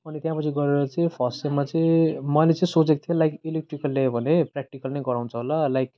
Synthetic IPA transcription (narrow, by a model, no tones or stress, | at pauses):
ʌnit̪jãpʌt͡sʰiɡʌɾeɾʌt͡sʌĩpʰʌsemat͡sʌĩmʌlet͡sʌĩsot͡sek̚t̪ʰjelajkilek̚ʈrikʌlːebʱʌneprak̚ʈikʌlnʌjɡʌɾaw̃nt͡sʰʌɦolalajk